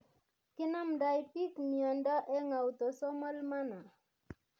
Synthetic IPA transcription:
kɪ˦na˦mda˨jpi˦kmiɔ˨nda˦ʔɛ˦ŋa˨u˨t̪o˨sɔ˦ma˦lma˦na˨

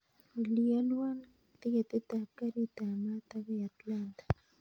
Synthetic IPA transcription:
i˨lialwa˦n | t̪i˦ɣe˨t̪e˦t̪a˨kaɾi˦t̪a˨ma˦t̪aβe˦a˨t̪lant̪ḁ

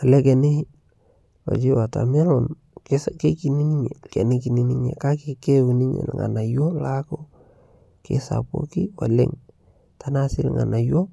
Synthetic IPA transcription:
a˨lɛ˦ke˨nɪi | wa̰˨t͡ʃi˦wa˨ta̰˨mɛ˦lɔn | kske˦ki˨ni˦ni˦ɲe˨kɛ˨nɪ˦ki˨ni˦ni˦ɲḛ˨ka˦ke˨ke˦wu˨ni˦ɲḛ˨lŋa̰˨na˨jo˦lako | kḛsa̰po̰˦ki˦wa˨lḛ˦ŋ | tana˦sɪ˦lŋa̰˨na˨jo˦

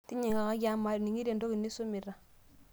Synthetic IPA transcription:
ti˦ɲi˨ŋa˨ka˦ɡa˦mːa˨ɾni˨ŋi˦ɾe˨ndo˦ki˨nːi˦su˦mi˨ɾa˨

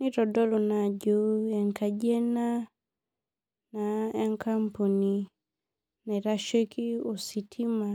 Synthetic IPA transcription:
ni˦ɾɔ˨dɔ˦lu˨na˨ɟu˦ɛ˨ŋka˨ɟɛ˦na˦ | na˨ɛ˦ŋka˦mpu˨ni˨ | nɛ˨ɾa˦ʃe˦ki˦o˨si˨tʰi˦ma˨

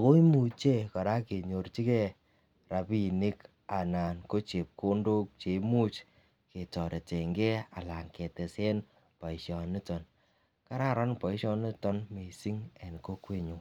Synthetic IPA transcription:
a˨ko˦i˦mu˨t͡ʃe˦kɔ˨ɾa˦ke˨ɲo˨rt͡ʃi˦kɛ˦ | ra˨pi˦ni˦k | a˨na˨nko˦t͡ʃe˨p̚ko˦ndo˦k̚t͡ʃe˨˦mu˦t͡ʃ | ke˨tɔ˨ɾe˨te˨ŋɡe˦a̰˨la˨ŋke˨tɛ˨se˦n | pa˨i˨ʃɔ˨ni˦tɔ˨n | ka˦ɾa˦ɾɔ˦npa˨i˦ʃɔ˦ne˦tɔ˦nme˨si˦ŋɛ˨n˨ko˦kwe˦ɲo˨

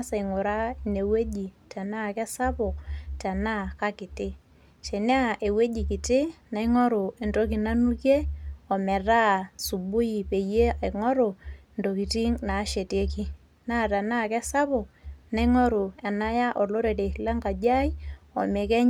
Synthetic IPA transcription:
sa˨i˨ŋʊ˨ɾa˦˨ne˨we˦ɟi˨tɛ˨na˦kɛ˦sa˦pʊ˨ktɛ˨na˦˨ka˦kɪ˨tɪ˦ | ʃe˨ne˦a˦˨ʔe˨we˦ɟi˨kɪ˨tɪ˦na˨i˦ŋɔ˦ɾʊ˨e˨ndo˦k̬i˨na˦nu˦kje˦ɔ˨mɛ˨ra˦su˨bʊ˦ji˨pe˨je˦a˨ŋɔ˦ɾo˨ | ndo˨ki˨ti˦ŋna˨˦ʃe˨te˦ki˦ | na˦˨ta˨na˦˨kɛ˦sa˦pʊ˨k̚na˨˦ɪ˦ŋɔ˦ɾu˨ɛ˨na˦ja˦ʔɔ˨lo˦ɾe˨te˨la˦ŋɡa˨d͡ʒa˦i˦ɔ̰˨mɛ˨kɛ˦

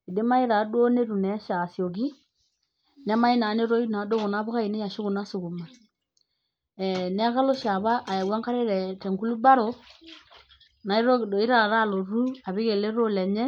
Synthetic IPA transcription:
i˨de˦ma˦i˦ɾa˨˦do˦ne˦ɾu˨nɛ˨˦ʃa˨sjo˨ki˦ | nɛ˦ma˦i˦na˨˦ne˦ɾo˦i˦na˨˦do˦ɣo˨na˦βo˦ɣa˦i˨ne˦ja˨ʃo˦ɣu˨na˦so˨ku˨ma˨ | ɛ˨nɛ˦a˦ɣa˦lo˦ʃa˨βa˦ʔːja˨wa˦ŋka˦ɾe˦ɾɛ˨tɛ˨ŋɡu˦lu˦ba˦ɾo˨˦ | na˨i˦ɾo˦˨o˨˦i˦ɾa˨ɾa˦˨lo˨ɾu˦a˨βe˦ɣe˨le˦ɾo˦lɛ˨ɲɛ˦

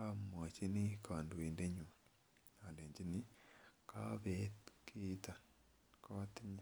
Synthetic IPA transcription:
a˦mwa˨t͡ʃi˦ni˦kʰaː˨ndu˨iːnde˦ɲu | a˨ndeː˨ɲd͡ʒi˦ni˦kaβekʰiːta | kaatiɲa

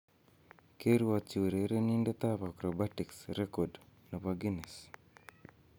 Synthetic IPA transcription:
ke˦ɾu˦wat͡ʃu˨ɾe˨ɾe˦ni˦nde˦t̪a˦pakɾɔbatiksɾekɔdno˨paɡinɛ˨s

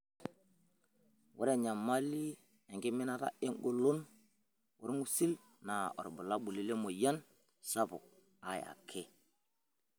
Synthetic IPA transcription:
wʔu˦ɾe˦˨ɲa˨mːa˦li˦ | e˨ŋɡi˦mi˦na˦ɾa̰˦i˦ŋɡo˦lo˦n | wṵ˨˦ɾmu˦si˦l | na˨ɔ̰˨ɾbu˨la˦ɓu˨li˦le˦mo˨ja˦n | sa˦bo̰˨ | a˦j̰a̰˨kʰe˦

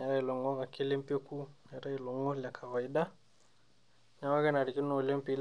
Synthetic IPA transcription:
a˨ɾa˦i˨lɔ˨ŋɔ˦ka˨ki˦le˦mpe˦ku˦ɲa˨ɾa˦i˨lɔ˨ŋo˦la˨kʰa˨wa˨i˦da˦ | ɲa˦wa˦kɛ˦na˨ɾi˨ki˦no˨le˦mpi˦l

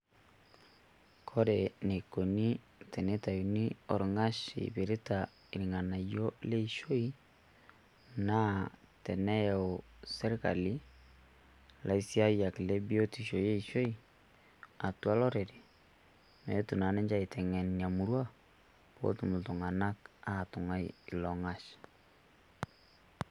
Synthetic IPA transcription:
kʰɔ˦ɾe˨ne˨ko˨ni˦ | tɛ˨ne˦ta˨ju˨ni˦o˨ɾo˨ŋa˦ʃḭ˨βe˨ɾe˦ta | e˨ɾi˨ŋa˨na˨jo˦le˦iʃo˦i | na˦tɛ˨nɛ˦ose˦ɾe˦ka̰˨li˦ | lʔa˨i˦si˦a˦ja˨klɛ˦bi˦o˦ti˨ʃo˨je˦i˨ʃo˦i˦ | a˨twa˦lɔ˦ɾe˨ɾi˨ | mɛ̰˨o˦tu˨na˨nɛ˦ɲd͡ʒa˦i˨tʰɛ˨ŋɛ˨ni˨a˨mu˨ɾwa˦ | po̰˦tu˨mu˨tu˨ŋa˨na˦ka˦˨tu˨ŋa˦ḭi˨lɔ˨ŋa˦ʃ

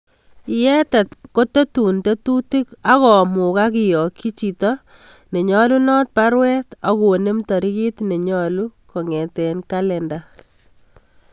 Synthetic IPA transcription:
jɛ˦ta˨tko˦te˦tu˨nte˦tu˦ti˦ka˦kɔ˨mu˨kaki˨jɔ˨kːi˦t͡ʃi˨tɔne˨ɲɔ˦lu˦nɔ˦t̚pa˦ɾwɛ˦ta˦ku˨ne˦mtɔ˨ɾi˦ki˦tne˨ɲɔluko˨ŋɛ˨tenkalɛnda

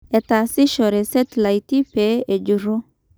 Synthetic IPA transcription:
e˨ta˨si˦ʃɔ˨ɾɛ˨sɛ˦tla˨i˨ti˦pe˨˦e˨d͡ʒu˨ɾo˦

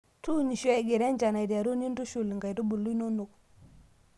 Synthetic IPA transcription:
tu˦˨ni˨ʃe˦˨ɡe˨ɾe˦nd͡ʒa˨na˨jdi˨ja˨ɾu˦ni˦n˦du˦ʃu˨lŋɡa˨jtu˦bu˨lu˦no˦nu˨k̚

